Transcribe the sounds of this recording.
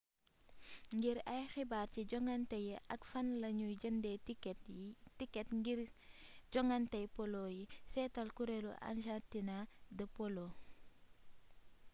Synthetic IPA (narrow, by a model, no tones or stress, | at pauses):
ŋɡiɾɐjxibaːrciɟɔŋɐntɐjiʔɐkfɐnlɐɲuɟəndɛ | tikːɛtɡi | ɟɔŋɐntɐjpɔlojisɛtɐlkuɾelṵʔɐ̰nʃatinadɐpolo